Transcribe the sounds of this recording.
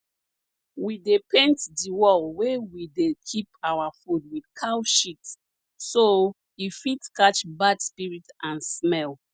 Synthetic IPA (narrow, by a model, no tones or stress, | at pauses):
widepʰẽntdiwɔlwewidekʰipawafud̚widkʰawʃit | so | ifitkat͡ʃbadspiɹitãnsmɛl